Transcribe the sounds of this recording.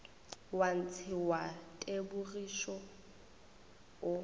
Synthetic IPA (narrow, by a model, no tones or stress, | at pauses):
wan̩t͡sʰɪwatʼebʊriʃɔ | ʊ